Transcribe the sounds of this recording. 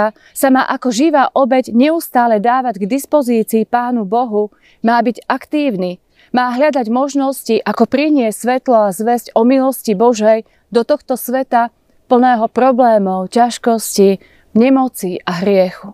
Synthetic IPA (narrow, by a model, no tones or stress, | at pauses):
a | sama̰ːʔakɔʒiʋaːʔɔbɛɟɲɛust̪aːlɛd̪aːʋaɟɡd̪ispɔziːt͡siːpaːnubɔɦu | maːbiɟakt̪iːʊni | maːɦʎad̪aɟmɔʒnɔsciʔakɔpɾiɲɪɛsʲsʋɛt̪lɔazʋɛzcɔmilɔscibɔʒɛj | d̪ɔt̪ɔxt̪ɔsʋɛt̪a | pl̩nɛːɦɔpɾɔblɛːmɔʊcaʃkɔsci | ɲɛmɔt͡siʔaɦɾɪɛxu